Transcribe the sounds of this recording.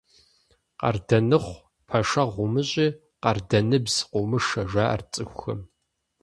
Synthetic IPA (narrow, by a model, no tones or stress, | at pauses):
qɐ̰rdɐnɨχʷ | pʰɐʂɐʁʷʊmɨɕʼiː | qɐrdɐnɨbzqʷʊmɨʂɐʒʷaʔɐ̰rt͡sʼɨxʷxɐ̰m